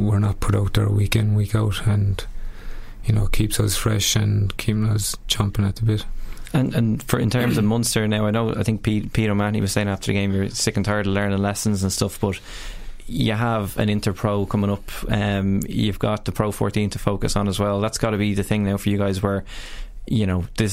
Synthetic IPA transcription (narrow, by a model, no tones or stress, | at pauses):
wɪɹnət̚pʰʊɾaʊt̪̚ð̥ə̰˞ə̰wikɛ̃ndwikaʊtə̃n | jənoʊkʰipsʌz̥fɹɛʃə̃nkʰipɪ̃ŋəz̥t͡ʃʰʌ̃mpɪ̃ŋət̪̚ðəbɪtə̃nə̃nfə˞ɪ̃ntʰɜ̃˞mzʌvmʌ̃nθstə˞naʊaɪnoʊaɪθɪ̃ŋk̚pʰipʰiɾəmanḭwʌz̥seɪɪ̃ŋaftə˞ðə̰ɡẽɪ̃mjə˞sɪkə̃n̩tʰaɪəɾəlɜ̃˞nə̃nlɛsə̃n̩zə̃nstʌfb̥ʌt | jəəvə̰̃nɪ̃ntə˞pʰɹ̥oʊkʰʊ̃mɪ̃ŋʊpʌ̃mjəvɡɑt̚ðəpʰɹ̥oʊfɔ̰ɹtĩntʰəfoʊkəsn̩əzwɛlˠðatsɡ̥ɑɾəbiðɨθɪ̃ŋnaʊfə˞jəɡaɪzwə˞ | jəñoʊðɪ